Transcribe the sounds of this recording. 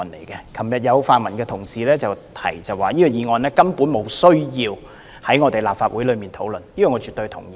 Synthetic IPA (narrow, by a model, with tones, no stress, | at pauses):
nlḛ˨˩jkɛ˧kʰɐ˨˩mjɐ˨t̚jɐ˨˧wfaː˨nmɐ˨˩nkɛː˧t̪ʰʊ˨˩ŋsiː˨lɛː˥t͡sɐ˨wt̪ʰɐ̰˨˩jt͡sɐ˨˩waː˨˩jiː˥kɔ˨˧jiː˨˧ŋɔː˨˧nlɛː˥kɐ˥mpu˨˥nmo˨˧wsɵ˥ɥjiː˧w | hɐ˨˥jŋɔː˨˧t̪e˨jlaː˨p̚faː˧t̚wu˨˥jlɵ˨˧ɥmiː˨nt̪ʰo˨˥wlɵ˨njiː˥kɔː˨˩ŋːɔ˨˧t͡ʃy˨t̪ːɵ˧jt̪ʰʊ̰˨˩ŋjiː